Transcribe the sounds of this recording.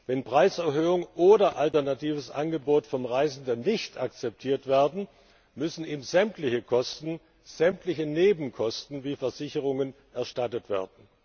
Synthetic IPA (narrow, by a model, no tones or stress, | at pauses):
vɛnpʁ̥aɪsɛɐhøːʊŋʔoːdɐʔaltɛɐnatʰiːvəsʔanɡəboːtfɔnʁaɪzn̩dənːɪçtakt͡sɛp̚tʰiːɐtv̥eːɐdn̩ | mʏsn̩iːbmzɛmtlɪçəkʰɔstn̩ | z̥ɛmtlɪçəneːbm̩kʰɔstn̩viːfɛɐzɪçəʁ̞ʊŋən | ʔɛɐʃtatətv̥eːɐdn̩